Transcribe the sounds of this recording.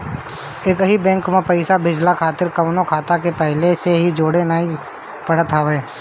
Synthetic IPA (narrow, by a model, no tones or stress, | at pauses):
eːkɦibɛ̃ŋkmẽpɐɪsabʱɪd͡ʒlakʰaːt̪ɪɾkɐʋnokʰaːt̪akepɛɦleseɦid͡ʒoːɽenaːĩ | pɐɽ̤ət̪ɦaeː